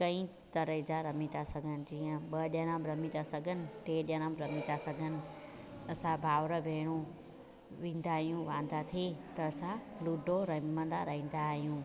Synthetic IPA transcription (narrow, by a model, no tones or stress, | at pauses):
kɐ̃ĩ | t̪ɐɾəɦɪd͡ʑaɾɐmĩt̪asɐɡʱənɪ̆d͡ʑiːə̃ɓɐɗjɐnə̃mɾɐmit̪asɐɡʱənɪ̆ʈeːɗjɐnəmɾɐmit̪asɐɡʱənɪ̆ | ɐsãbʱaːʋɾəbʱeːɽ̃ũ | ʋĩːn̆d̪aːɦijũʋãːn̆d̪at̪ʰet̪ɐɐsãluːɖʱoɾɐɦmə̃nd̪aɾɐɦĩːn̆d̪aɦijũː